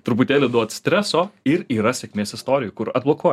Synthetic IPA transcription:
t̪ɾʊpʊt̪ʲeːlʲɪd̪uɔt̪sʲt̪ʲɾʲæsoːɪɾiːɾɐsʲɛkʲmʲeːsɪst̪oːɾʲɪjʊkʊɾɐt̪̚blˠoːkoːj

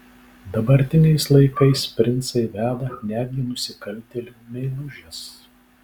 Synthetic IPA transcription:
d̪ɐbɐɾʲt̪ʲɪnʲɛɪslˠɐɪkɐɪspʲɾʲɪnt̪sɐɪʋʲæːd̪ɐnʲæːd̪ʲɡʲɪnʊsʲɪkɐlʲˑt̪ʲɛlʲumʲɛɪlˠʊʒʲɛs

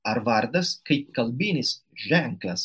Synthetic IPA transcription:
aɾvaɾd̪askajkalbinisʒɛŋklas

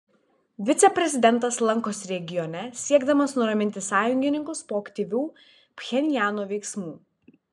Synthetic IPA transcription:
ʋʲɪt̪sʲɛpʲɾʲɛzʲɪd̪ʲɛnˑt̪ɐslˠɐŋkoːsɾʲɛɡʲɪjɔnʲɛsʲiɛɡd̪ɐmɐsnʊɾɐmʲɪnʲt̪ʲɪsɑːjʊŋʲɡʲɪnʲɪŋkʊspoːkt̪ʲiːʋʲuː | pʲxʲɛnʲɪjæːnuːʋʲɛɪksmuː

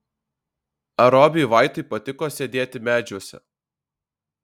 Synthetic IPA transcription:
ɐɾɔːbʲɪjʋɑˑɪt̪ʊɪpɐt̪ʲɪkoːsʲeːd̪ʲeːt̪ʲɪmʲæːd͡ʒʲuɔsʲɛ̰

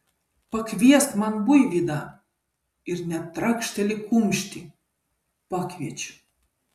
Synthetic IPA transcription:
pəkvʲest̪mɑnbujvʲid̪ɑ | irnʲæt̪ːrɑkʃt̪ʲelʲikumʃt̪ʲi | pɑkvʲet͡ɕ

